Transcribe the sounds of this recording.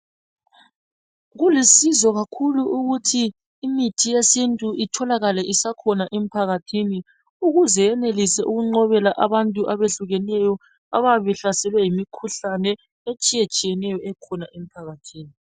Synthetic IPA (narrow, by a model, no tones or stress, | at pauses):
ɣulisizɔɣakʰuluʔuɣutʰiː | mitʰijesintʼuʔitʰɔlaɣalɛʔisakʰɔnaʔem̩pʰaɣatʰini | uɣuzɛɛnelisɛʔuɣuŋ͡ǃɔβɛlaʔaβantʼuʔaβeɬuɣɛnɛjɔ | a̰βaβɛɬasɛlwɛjimikʰuɬanɛ | et͡ʃʼijet͡ʃʼijɛnɛjɔɛkʰɔnaʔem̩pʰaɣatʰiːni